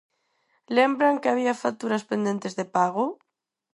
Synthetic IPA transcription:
lembɾaŋkeaβ̞iafat̪uɾaspend̪e̞nt̪ezðepaɣ̞o

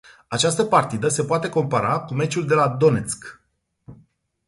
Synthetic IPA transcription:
at͡ʃast̪əpart̪id̪əse̞poat̪e̞ko̞mpaɾakume̞t͡ʃuld̪e̞lad̪o̞ne̞t̪sk

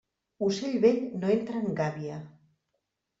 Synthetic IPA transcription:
useʎβeʎnoent̪ɾaŋɡaβia

